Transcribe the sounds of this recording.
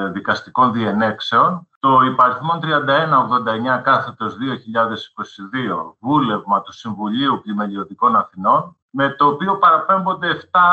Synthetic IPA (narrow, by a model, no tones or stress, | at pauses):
ðikɐst̪iko̞nðiene̞kse̞o̞nt̪o̞ipɐɾiθmo̞nt̪ɾiɐnd̪ɐe̞nɐoɣðo̞nd̪ɐeɲɐkɐθe̞t̪o̞zðio̞çiʎɐðe̞si̥ko̞siðio̞vule̞vmɐt̪u̥siɱvuʎiuplime̞lio̞ðiko̞nɐθino̞n | me̞t̪o̞ːpio̞pɐɾɐpe̞mbo̞nd̪e̞ːft̪ɐ